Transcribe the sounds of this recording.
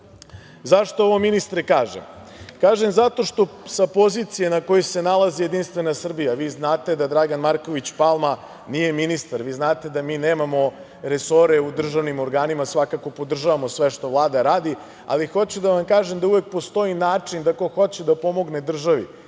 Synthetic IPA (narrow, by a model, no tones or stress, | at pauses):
zaʃt̪ooʋominist̪ɾekaːʒḛm | kaːʒemzat̪o̞ʃt̪o̞sapo̞zit̪sijenako̞jese̞nalˠazije̞d̪inst̪ʋe̞nasr̩bijaʋiznaːt̪e̞d̪ad̪ɾaɡanmaɾko̞ʋit͡ɕpalˠma | nijeminist̪aɾʋiːznaːt̪e̞d̪amiːneːmamo̞ | ɾe̞so̞ɾe̞ud̪r̩ʒaʋnimo̞ɾɡaːnimasʋakako̞po̞d̪r̩ʒaʋamo̞sʋe̞ʃt̪o̞ʋlˠaːd̪aɾaːd̪i | a̰lixo̞t͡ɕud̪aʋamkaːʒemd̪auʋek̚po̞st̪o̞inaːt͡ʂind̪ako̞xo̞t͡ɕed̪apo̞mo̞ɡned̪r̩ʒaʋḭ